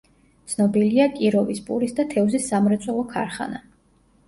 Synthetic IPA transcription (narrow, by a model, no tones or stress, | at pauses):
t̪sʰnɔbiliakʼiɾɔvispʼṵɾisd̪at̪ʰɛvzisːamɾɛt̪sʼɛlˠɔkʰa̰ɾχa̰na